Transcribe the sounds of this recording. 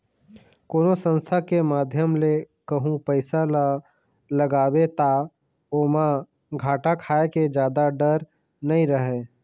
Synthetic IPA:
koːnosə̃nst̪ʰakemaːd̪ʱjəmle | kəɦũpəɪsal | ləɡaːwet̪a | oːma | ɡʱaːʈakʰaːeked͡ʒjaːd̪aɖəɾ | nɐɦĩɾəɦẽː

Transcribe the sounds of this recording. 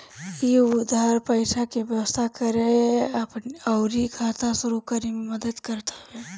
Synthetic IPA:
jiʊd̪ʱaɾpəɪsakebjəwəst̪ʰakəɾeɐpnɔʊɾikʰaːt̪aʃʊɾukəɾimẽmɐd̪əd̪kɐɾt̪ḁɦɛː

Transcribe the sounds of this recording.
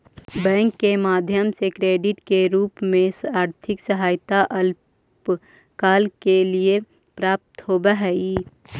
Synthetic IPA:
bɛ̃ːŋkːemaːd̪ʱjəmsekɾeːɖɪʈkeɾuːpmẽaːɾt̪ʰɪksəɦaːjt̪aʔəl | p | kaːlkelie | pɾaːp̚t̪hoːbaɦɛi

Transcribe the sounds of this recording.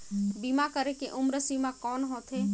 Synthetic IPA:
bimakəɾekeʔʊmɾəsimãkɔːnɦoːt̪ʰɦeː

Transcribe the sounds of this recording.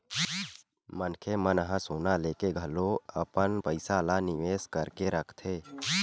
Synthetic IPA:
mənkʰemənɦãsoːnaleːkeɡʱəloəpənpəɪsalanɪʋeːskəɾkeɾəkʰt̪ʰeː

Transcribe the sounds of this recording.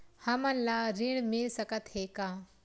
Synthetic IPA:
hãmanlaɾiɽmiɭsəkət̪ɦeka

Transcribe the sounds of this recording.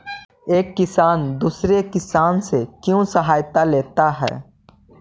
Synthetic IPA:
eːkːɪsaːnd̪uːsɾekɪsaːnsekjõsɐɦaːjt̪aleːt̪aɦɛ̰ː

